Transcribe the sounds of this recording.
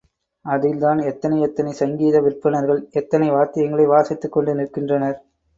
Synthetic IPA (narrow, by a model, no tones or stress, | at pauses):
ɐðɪld̪aːnɛt̪ːɐnɐɪɛt̪ːɐnɐɪsɐŋɡiːðɐʋɪrpːɐnɐɾɣɐɭɛt̪ːɐnɐɪʋaːɾt̪ːɪjɐŋɡɐɭɐɪʋaːsɪt̪ːɯkːɔɳɖɯnɪɾɯkːɪndrɐnɐɾ